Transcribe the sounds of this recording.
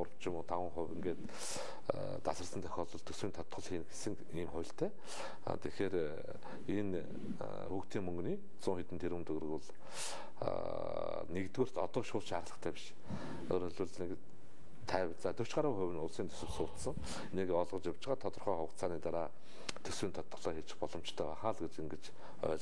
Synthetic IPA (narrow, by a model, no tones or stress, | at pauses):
ʊɾə̆w̥t͡ɕɪ̆mʊːt̪ʰaʁʊ̆ŋχʊwɘ̆ŋɡeːt̪ | t̪asə̆sə̆nt̪ʰœ̥xʲɔːɮɞ̆ɮt̪ʰɵswiːnt̪ʰɔt̪χɞ̆ɮxiːnxesɘ̆ŋ | iːmχʊjʲɬt̪ʰḛː | t̪ʰexeːɾ | in | xuːkt̪ʰiːŋmɵŋɡniː | t͡sʊːŋxet̪ɘ̆nt̪ʰeɾwɘ̆mt̪ʰɵɣ̆r̆ɣɘ̆ɮ̰ | nekt̪ɡeːr̥t̪ɔ̰t̪ɔːʃʊːɮʃaːɾɮə̥̆t̪ʰæːpi̥ʃ | oːɾɵɮwɘ̆ɮnek | t̪ʰæːwt͡saːt̪ʰɵw̥t͡ɕɢaɾə̆ŋχʊ̟wɘ̆nʊɮsiːnt̪ʰɵ̥sɘ̆sʊːt̪sə̆ŋ | nekɔɮʁɞ̆t͡ɕawt͡ɕɪ̆ʁaːt̪ʰɔt̪ɞ̆rχœːχʊ̆t̪t͡sʰaːniːt̪aɾaː | t̪ʰɵswiːnt̪ʰɔt̪̚χɞ̆ɮœːxet͡ɕɪ̥̆xpɔɮɞ̆m̥t͡ɕt̪ʰœːwaχaːɮɡet͡ɕeŋɡĕt͡ɕ | œ̰ːɮ